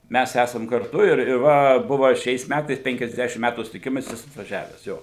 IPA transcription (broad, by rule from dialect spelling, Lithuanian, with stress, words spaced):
ˈmʲæs ˈæsɐm kɐrˈtʊ ɪr ɪr ˈʋɐ ˈbʊʋɐ ˈʃʲɛɪs ˈmʲætɐɪs pʲɛŋʲkʲɛzʲˈdʲæːʃʲɪm ˈmʲætuː sʊtʲɪˈkʲɪmɐs ˈjɪs ɐtʋɐˈʒʲæːʋʲɛs ˈjoː